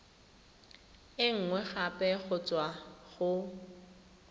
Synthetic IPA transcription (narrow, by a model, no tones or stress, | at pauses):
ɪŋ̩ŋwɛχapʼɛɣʊt͡sʼwaɣʊ